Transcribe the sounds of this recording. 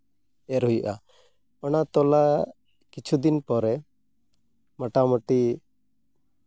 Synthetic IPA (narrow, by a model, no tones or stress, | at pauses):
ɛɾɦujuʔa | ɔnat̪ɔla | kit͡ʃʰud̪inpɔɾɛ | məʈamɔʈi